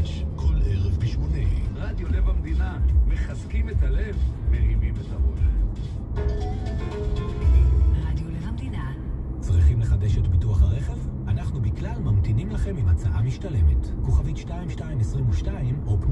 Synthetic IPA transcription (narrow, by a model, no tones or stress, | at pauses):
ʃkʰoleʁevbiʃmoneʁad̪jolevamd̪inameχazkimetale̞vmehimimetaola | ʁad̪jolevmdina | t͡sʁiχimleχade̞ʃetbituaχaʁe̞χe̞vanaχnubiklalmamtinimlaχe̞mimat͡saʔamiʃtale̞me̞tkuχavitʃtaimʃtaimesʁimuʃtaimop